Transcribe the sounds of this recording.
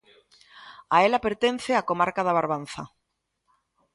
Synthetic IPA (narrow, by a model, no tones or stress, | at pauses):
aelapeɾt̪en̟θeakomaɾkaðaβaɾβanθa̰